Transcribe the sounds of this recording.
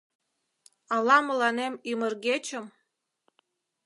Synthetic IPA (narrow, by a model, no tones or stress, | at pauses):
ɑlɑməlɑnemymərɣet͡ɕə̆m